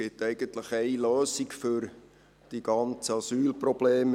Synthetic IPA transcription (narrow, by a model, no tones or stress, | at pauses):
ɪtæɪɡ̥ənt̪ləχɛɪløːsikfʏɾ | d̥iɡ̥ɑnt͡səɑsyːlprɔb̥leːm